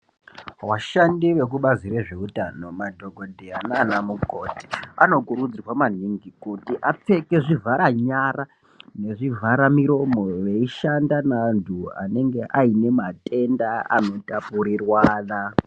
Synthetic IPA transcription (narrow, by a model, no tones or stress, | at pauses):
ʋaʃandiʋe̞k̬uɓazireʐe̞utano̞madʱo̞ɡʱo̞dʱeananamuko̞ti̥ano̞kuɾud͡zirwaman̤iŋɡikutiʔap͡fe̞ke̞ʐivʱaɾaɲara | ne̞ʐivʱaɾamiɾo̞mo̞ʋe̞iʃandanantʰua̰ne̞ŋɡe̞ʔaine̞mate̞ndaa̰no̞tapuɾirwaːna